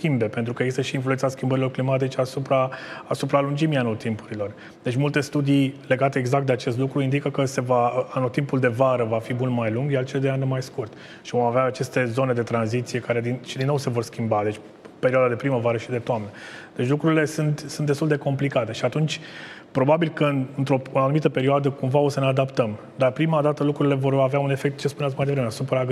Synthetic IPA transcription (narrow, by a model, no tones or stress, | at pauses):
skʲimbe̞pent̪ɾukəeɡzist̪əʃiːnfluensaskʲimbəɾilo̞rklimat̪̬it͡ʃeasupɾaasupɾaːlund͡ʒimianot̪impu̥ɾilo̞r | d̪e̞t͡ʃʲmult̪e̞st̪ud̪ijle̞ɡat̪e̞ːɡzak̚t̪d̪at͡ʃe̞st̪lukɾuind̪ikəkəse̞vaanot̪impuld̪e̞vaɾəvafibunmajluŋɡjalt͡ʃeld̪eanmajskurt̪ | ʃivo̞maveaːt͡ʃe̞st̪e̞zo̞ne̞d̪e̞t̪ɾanzit̪sije̞kaɾe̞d̪inʃid̪inːowse̞vo̞rskʲimbad̪e̞t͡ʃʲ | pe̞ɾioad̪ad̪e̞pɾiməvaɾəʃid̪e̞t̪oamnəd̪̥e̞t͡ʃlukɾuɾile̞sunt̪sunt̪d̪est̪uld̪e̞ko̞mplikat̪e̞ʃiat̪unt͡ʃʲ | pɾo̞babilkəɨnɨnt̪ɾo̞unanumit̪əpeɾioad̪əkumvao̞səne̞ad̪apt̪əm | d̪arpɾimad̪at̪əlukɾuɾile̞vo̞raveaune̞fe̞k̚t̪̚t͡ʃe̞spuneat̪smajd̪evɾemeasupɾaɡ